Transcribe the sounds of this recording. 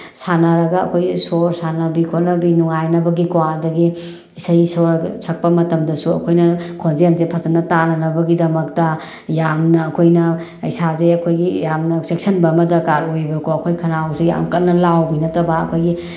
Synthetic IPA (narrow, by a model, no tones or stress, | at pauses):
sanɐɾɐɡɐɐ̰kʰojɡisoɾsanɐbikʰonɐbinuŋajnɐbɐɡikwadɐɡi | isajsoɾsʰɐk̚pɐmɐtɐmdɐsuɐ̰kʰojnɐkʰonzemzepʰɐzɐnːɐtanɐnɐbɐɡidɐmɐk̚tɐ | jamnɐːkʰojnɐ | ɐ̰jsazeɐkʰojɡijamnɐsek̚sɐnbɐmɐdɐkaɾojbɐkʰoɐkʰojkʰɐnawseja̰mkɐnːɐlawbinɐtɐbɐɐ̰kʰojɡi